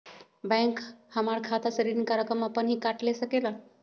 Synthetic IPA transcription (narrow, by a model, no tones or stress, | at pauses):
bɛ̃ŋkhəmaɭkʰat̪asəɾinikaɾjəkɾəmapəɳɦiːkaʈlesəkela